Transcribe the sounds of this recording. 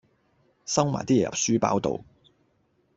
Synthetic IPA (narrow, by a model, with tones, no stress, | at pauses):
sɐ˥wmaː˨˩t̪iː˥ɛː˨jɐ̰˨p̚syː˥pa̰ː˥wt̪o̰˨w